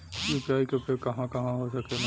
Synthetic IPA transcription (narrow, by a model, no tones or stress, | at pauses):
upijaːikʊpekɐɦãkɐɦãɦosɐken